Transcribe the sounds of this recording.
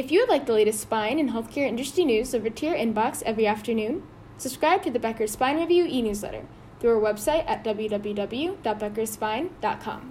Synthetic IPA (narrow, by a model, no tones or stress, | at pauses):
ɨfjɨwɨdˡlaɪk̚ðəleɪɾɨstspãɪ̃nɨ̃nɦɛlˠθkʰɛɹɪ̃nt͡ʃɹ̥ɨstĩnʉzovə˞tʰɪɹɪ̃nbɑksɛvɹiæftə˞nʉ̃n | səb̥skɹaɪb̚tʰɨðɨbɛkə̥˞spãɪ̃nɹɛvjʉʔinʉzlɛ̰ɾə̰˞ | θɹuəəwɛb̥saɪɾʔɨt̚d̥ʌbl̩ˠjʉdʌbl̩ˠjʉdʌbl̩ˠjʉd̥ɑt̚b̥ɛkə˞spãɪ̃nd̥ɑ̰t̚kʰɑ̰̃m